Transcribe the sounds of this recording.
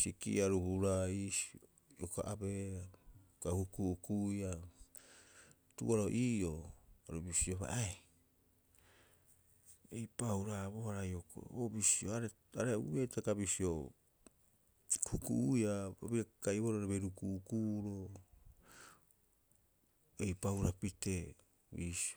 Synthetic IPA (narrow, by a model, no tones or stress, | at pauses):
sikḭʔaɾuhuɾais | jokaʔabea | kahukuukuja | tuaɾoʔiːoaɾubisioβa̰ʔa | ejpawɾaβoaɾajoko̰obisioaɾe | aɾeṵbetakabisio | hukṵʔujababiakaiβoɾoɾaβeɾukuʔukuɾo | ejpawɾapite̞ | βisi